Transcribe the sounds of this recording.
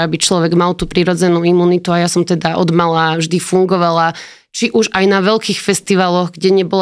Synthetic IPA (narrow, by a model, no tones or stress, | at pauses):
abit͡ʃlɔʋɛɡmalt̪upɾiːɾɔd͡zɛnuimuːnit̪uajasɔmt̪ɛd̪aʔɔd̪malavʒd̪ifuŋɡɔʋala | t͡ʃiʔuʒajnaʋɛʎkiːxfɛst̪iʋalɔɣɡɟɛɲɛbɔla